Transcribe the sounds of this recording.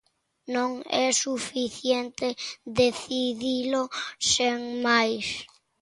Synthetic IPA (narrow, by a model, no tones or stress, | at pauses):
nõŋɛsufiθjent̪eðeθiðilʊseŋmajs